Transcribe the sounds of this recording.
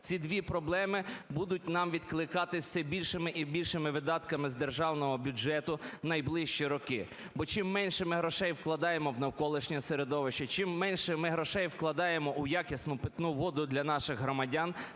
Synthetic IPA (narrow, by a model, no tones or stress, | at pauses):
t͡sʲid̪ʋʲipɾɔblˠɛmɪbud̪ʊt̚ʲnɑmʋʲid̪klˠɪkɑt̪ɪwsɛbʲilʲʃɪmɪʔibʲilʲʃɪmɪʋɪd̪ɑt̪kɐmɪzd̪erʒɑwnɔɦɔbʲʊd͡ʒɛt̪ʊnɐjblˠɪʃt͡ʃiɾɔkɪ | bɔt͡ʃɪmːɛnʲʃɛmɪɦɾɔʃɛjwklˠɐd̪ɑjemɔwnɐwkɔlˠɪʃnʲɐseɾed̪ɔʋɪʃt͡ʃɐt͡ʃɪmːɛnʲʃɛmɪɦɾɔʃɛjwklˠɐd̪ɑjemɔʔʊjɑkʲisnʊpɪt̪nuʋɔd̪ʊd̪lʲɐnɑʃɪɣɦɾɔmɐdʲɑn